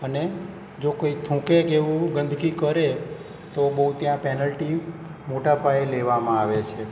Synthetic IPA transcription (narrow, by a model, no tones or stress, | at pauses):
əne | d͡ʒokoit̪ʰũkekeʋũɡənd̪ʱkikəɾe | t̪obəɦut̪jãpɛnəlʈimoʈapaeleʋamãaʋet͡ʃʰe